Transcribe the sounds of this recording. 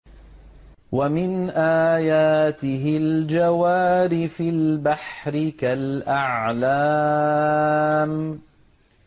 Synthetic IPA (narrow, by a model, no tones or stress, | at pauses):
wamɪnʔaːjaːt̪ɪɦɪld͡ʒawaːɾɪfɪlbaħɾɪkalʔaʕʕla | m